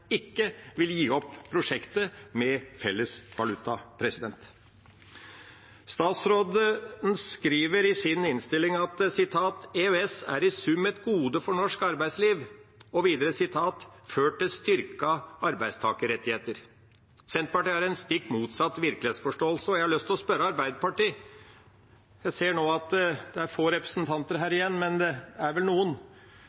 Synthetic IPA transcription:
ɪkːəʋɪljiːɔpːpʰːɾʊʂɛkt̪əmɛfɛlːəsʋɑlʉt̪ɑpʰɾɛsɪd̪ɛnt̪ | st̪ɑːt̪sɾoːd̪ənskɾiːʋəɾɪsɪnɪnst̪ɪlɪŋɑt̪sɪt̪ʰɑːt̪eøɛsæ̰ɾɪsʉmɛt̪ɡuːd̪əfɔɳɔʂkɑɾbæɪsliːʋɔʋiːd̪əɾəsɪt̪ʰɑːt̪føːʈɪst̪ʏɾkɑɑɾbæɪst̪ʰɑ̰ːkəɾɛt̪ːɪheːt̪əɾ | sɛnt̪pɑʈiːhæɾɛnst̪ɪkːmuːt̪sɑt̪ːʋɪɾklɪeːt̪sfɔʂʈoːlsəɔjæɪhɑɭœst̪ʰɪlɔspœɾəɑɾbæɪd̪əpɑʈiː | jæɪseːɳoːɑt̪d̪̥ɛæɾfoːɾɛpɾə̥sn̩t̪ʰɑnt̪əɾɦæːɾɪjɛnːmɛnd̪ɛd̪ɛæɾʋɛlnuːən

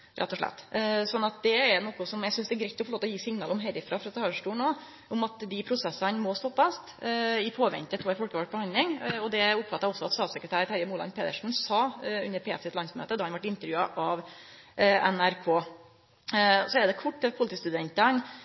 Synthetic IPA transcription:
ɾʔɛ̰t̪ːɔʂɭɛ̰t̪ːsɔnːɑt̪̚d̪ɛːɾnɔːkʊsɔmjæɡsʏnsd̪ɛɾɡɾæt̪ɔfɔlɭoːt̪ɔjiːsɪŋnɑːlɔmɦɛɾɪfɾɑːfɾɑt̪ʰɑːʂʈuːnoː | ʔʊmɑt̪d̪ɪpʰɾʊsɛsənmɔst̪ɔpːɑst̪ɪfoːʋɛ̰nt̪ət̪ʰɔːæɾfɔlkəʋɑʈ̚bəhɑnd̪lɪŋɔd̪ɛʊpfɑt̪ːɑɔsːɔɑt̪st̪ɑːt̪səkɾət̪ʰæːɾt̪hæɾjəmuːlɑ̰npʰeːd̪əʂn̩sɑʉ̰nːəɾpʰeːfsɪt̪lɑnsmnø̰ːt̪ːəd̪ɑːhɑnʋɑʈɪnt̪əɾjʉːɑʔɑʋ | ɛnæɾkʰoː | sɔɛd̪ɛkʰʊʈ̪ːɛpʰʊlɪt̪iːst̪ʉd̪ɛnt̪ən

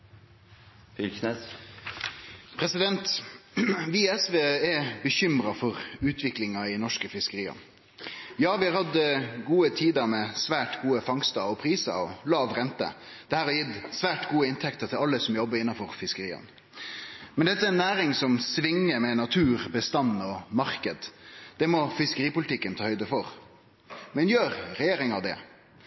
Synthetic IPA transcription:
fɪlkʰnɛs | pʰɾɛsɪd̪ɛnt̪ | ʋiɛsʋeːɛbəçʏmɾɑfɔʁʉːt̪ʰʋɪklɪŋɑɪnɔʂkəfɪskəɾiːɑ̰n | jɑːʋɪhɑːɾhɑd̪əɡuːət̪ʰiːd̪əɾmɛsʋæːʈɡuːəfɑŋst̪əɔpʰɾiːsə̰ɔlɑːʋʁɛnt̪ə̰ | d̪̥ɛhæːɾɑjɪt̪ːsʋæːʈɡuːəɪnt̪ʰɛkt̪əɾt̪ʰɪlɑlːəsɔmjɔbːəɾɪnːɑnfɔɾfɪskəɾiːə̰n | mɛnd̪ɛt̪əæɛnːæːɾɪŋsɔmsʋɪŋːəmɛnɑt̪ʰʉːɾbəst̪ɑnːɔmɑɾkəd̪d̪̥ɛmɔfɪskəɾiːpʊlɪt̪ʰɪkːənt̪ʰɑːhœʏd̪əfɔʁ | mɛnjøːɾɾɛjeːɾɪŋɑʋd̪ɛ̰

